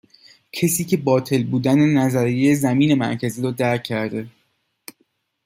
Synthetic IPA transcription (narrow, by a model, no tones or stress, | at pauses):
cʰesiːcʰe̞bɒːt̪ʰe̞lbuːd̪ænenæzæɾijezæmiːne̞mæ̰ɾcʰæziːɾɔːd̪æɾcʰːæɾd̪e̞